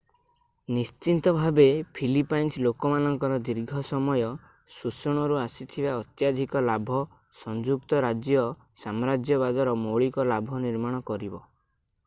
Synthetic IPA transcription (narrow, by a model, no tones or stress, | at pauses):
nist͡ʃint̪ɔbʱabepʰilipajnslokɔmanɔŋkɔɾɔd̪iɾɡʱɔsɔmɔjɔ | susɔɽ̃ɔɾuasit̪ʰibaɔt̪jad̪ʱikɔlabʱɔ | sɔnd͡ʒuk̚t̪ɔɾad͡ʒjɔ | samɔɾad͡ʒjɔbad̪ɔɾɔmoɭikɔlabʱɔniɾmaɽ̃ɔkɔɾibɔ